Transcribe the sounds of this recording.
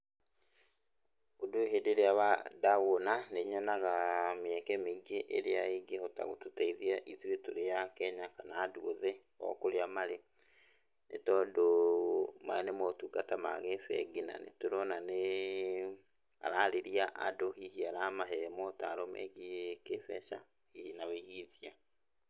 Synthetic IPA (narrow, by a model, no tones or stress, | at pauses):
odoeɦedeɾeawadaɣonaneɲɔnaɣameɛkɛmiɡeʔḛɾeaeɡehota̰ɣo̰totaiðiaʔiðwetoɾejakɛɲakanaːduoðɛ | ɔ̰koɾeamaɾe | nḛtɔdo | ma̰enemotukatama̰ɣefɛ̰ɡina̰nḛtoɾɔnane | a̰ɾaleɾiaʔadohihiaɾamaɦɛmɔtaɾomʔɛ̰ɡikefɛʃa̰ | hihinawiɣiðia